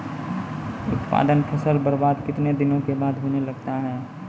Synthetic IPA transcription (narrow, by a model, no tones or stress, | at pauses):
ʊt̪pa̰ːd̪ənpʰəsəlbəɾbaːd̪kɪt̪ned̪ɪnõkebaːd̪ɦoːnelɐɡt̪aɦɛː